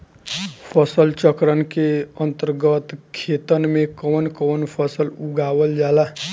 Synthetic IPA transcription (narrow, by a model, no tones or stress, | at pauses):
pʰʌsʌlt͡ʃʌkɾʌnkeʌnt̪ərɡʌt̪kʰet̪ʌnmekʌnkɔnpʰʌsʌluɡawʌld͡ʒala